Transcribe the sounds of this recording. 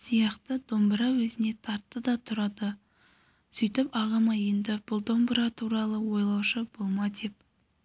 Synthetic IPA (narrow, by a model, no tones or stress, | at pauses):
sijɑqt̪əd̪̥o̞mbəɾɑwɵzɪne̞t̪ʰɑɾt̪ːəd̪ɑt̪ʰʊɾɑd̪ə | sʏjt̪ɪpɑʁɑmɑje̞nd̪ɪb̥ʊlˠd̪o̞mbəɾɑt̪ʰuɾɑlˠəwo̞jlˠɑwʃəb̥olˠmɑd̪e̞p̚